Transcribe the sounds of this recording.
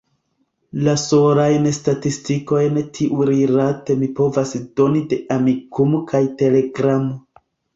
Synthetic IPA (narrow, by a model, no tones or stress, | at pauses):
lasoɾajnstatistiko̞jntʰiʔuɾiɾate̞mipo̞vasdo̞nide̞ʔamikumokʰajte̞le̞ɡɾamo